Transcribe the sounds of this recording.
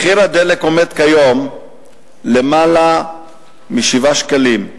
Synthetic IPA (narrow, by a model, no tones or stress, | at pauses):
χiɾad̪eleko̞me̞d̪kajo̞m | le̞mala | miʃivaʃkalim